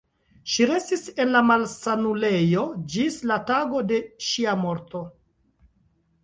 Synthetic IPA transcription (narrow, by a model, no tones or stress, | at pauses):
ʃiɾe̞stise̞nlamalsanule̞jo̞d͡ʒislataɡo̞de̞ʃiamo̞ɾto̞